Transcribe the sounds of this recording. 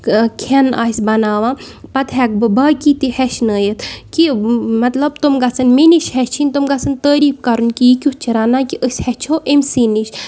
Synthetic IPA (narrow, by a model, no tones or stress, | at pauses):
kʰena̰ːsʲbɐnaːʋãː | pɐt̪ɦɛk̚bɨbaːkit̪ihɛʃnəːjət̪kimɐt̪lɐbt̪umɡɐsɐnmeniʃhɛt͡ʃʰinʲt̪umɡɐsɐnt̪əːɾiːfkɐɾunkijikʲut͡ʃʰiɾanaːkiʔəsʲhɛt͡ʃʰoʔemsiniʃ